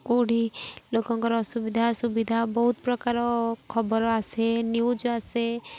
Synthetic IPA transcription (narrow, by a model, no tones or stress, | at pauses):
koɽilokɔ̃ŋkɔɾɔsubid̪ʱasubid̪ʱabɔɦut̪̚pɾɔkaɾɔkʰɔbɔɾɔasenuwd͡ʒase